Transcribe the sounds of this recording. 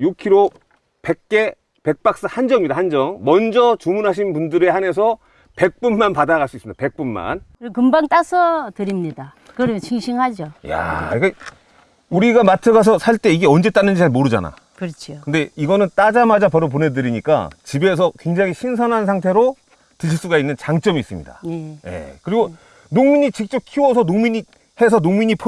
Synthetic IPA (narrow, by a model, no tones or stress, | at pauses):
jukʰiɾo | pek̚k͈e̞ | pe̞k̚p͈ak̚s͈ahand͡ʑʌŋɲidahand͡ʑʌŋmʌnd͡ʑʌt͡ɕumunɦaɕ̬ʰinpundɯɾe̞hane̞s̬ʰʌ | pe̞k̚p͈unːanpadaɣaɭs͈uis͈ɯmɲid̥ape̞k̚p͈unma̰nkkɯmbaŋt͈asʰʌtɯɾimɲida | kɯɾʌmt͡ɕʰiŋɕʰiŋɦad͡ʑoja̰ik͈a | uɾiɡamatʰɯɡas̬ʰʌsʰaɭt͈e̞iɡe̞ʌnd͡ʑe̞t͈anːɯnd͡ʑiaɭmoɾɯd͡ʑa̰na̰ | kɯɾʌt͡ɕʰokɯnde̞iɡʌnɯnt͈ad͡ʑamad͡ʑapʌɾop̬one̞dɯɾiɲik͈a̰t͡ɕibe̞s̬ʰʌkwe̞ŋd͡ʑaŋiɕʰinsʰʌnɦansʰaŋtʰe̞ɾo | tɯiɭs͈uɡainːɯnt͡ɕaŋt͡ɕ͈ʌmiːs͈ɯmɲḭda̰jeje̞̰kɯɾiɡo | noŋmiɲit͡ɕik̚t͡ɕ͈ʌp̚kʰiwʌsʰʌnomiɲi | he̞sʰʌnomiɲipʰ